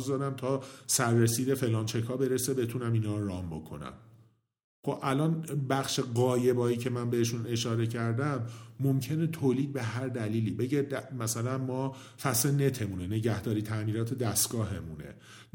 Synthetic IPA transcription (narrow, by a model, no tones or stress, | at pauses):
zd̪ɒːɾæmt̪ʰɒːsæɾːesiːd̪e̞fe̞lɒːnt͡ʃʰekʰhɒːbe̞ɾesebe̞t̪ʰunæminɒːɾɒːmbo̞̰kʰo̞̰næ̰m | χo̞bʔælɒːnbæχʃeɣɒːje̞bɒːiːcʰe̞mænbe̞heʃune̞ʃɒːɾe̞cʰæɾd̪æmːomcʰe̞net̪ʰoːliːd̪̚be̞ɦæɾd̪æliːliːbe̞ɟe̞d̪æmæsælænmɒː | fæsene̞t̪ʰe̞munene̞ɟæhd̪ɒːɾiːt̪ʰæmiːɾɒːt̪ʰe̞d̪æst̪ɡ̥ɒːɦe̞munḛ